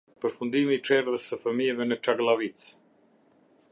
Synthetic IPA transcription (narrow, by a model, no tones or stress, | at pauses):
pəɾfund̪imiːʈ͡ʂɛɾðəsəfəmiɛvɛnət͡ʃaɡlˠavit͡s